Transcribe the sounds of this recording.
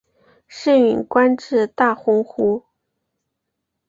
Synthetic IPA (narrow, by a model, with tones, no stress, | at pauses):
ʂə˥˩ŋy˨˩nkwa˥nʈ͡ʂɻ̩˥˧t̪a˥˩xʊ˥ŋxu˥